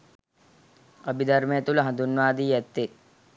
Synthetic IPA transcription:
ɐbid̪ɐɾmejɐt̪ulɐɦɐnd̪unʋaːd̪iːɛt̪ːe

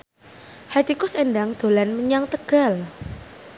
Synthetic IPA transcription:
hat̪ikʊsenɖaŋd̪̥o̤lanməɲaŋt̪əɡ̥a̤l

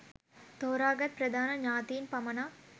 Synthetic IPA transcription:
t̪oːɾaːɡɐt̪̚pɾɐd̪ʱaːnɐɲaːt̪iːnpɐmɐnaː

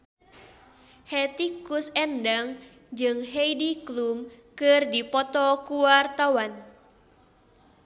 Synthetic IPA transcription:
hɛt̪ikusɛndaŋ | d͡ʒɨŋɦeidiklum | kɨrdipɔt̪ɔkuwart̪awan

